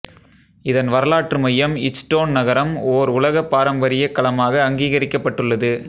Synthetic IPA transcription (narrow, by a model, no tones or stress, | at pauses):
ɪðɐnʋɐɾɐlaːʈrɯmɐjːɐmɪsʈoːnnɐɣɐɾɐmoːɾʊlɐɣɐpːaːɾɐmbɐɾɪjɐkːɐlɐmaːɣɐːŋɡiːɣɐɾɪkːɐpːɐʈːɯɭːɐðɯ